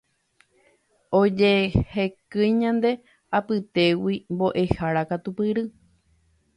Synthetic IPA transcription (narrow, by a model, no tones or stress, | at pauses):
od͡ʒe̞hekɨ̃jɲãnd̪e̞ | apɨt̪e̞wimbo̞ʔe̞haɾakat̪upɨɾɨ